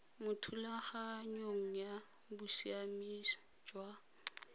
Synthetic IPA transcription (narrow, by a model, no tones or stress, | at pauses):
mʊtʰulaχaɲoŋ̩ja | busiamis | d͡ʒwa